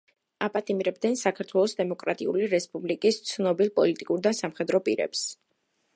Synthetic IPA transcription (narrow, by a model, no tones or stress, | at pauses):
apʼat̪ʼimɾɛb̚d̪ɛnsakʰaɾt̪ʰwɛlˠɔsd̪ɛmɔkʼɾat̪ʼiṵliɾɛspʼublikʼist̪sʰnɔbilˠpʼɔlit̪ʼikʼuɾd̪asamχɛd̪ɾɔpʼḭɾɛ̰ps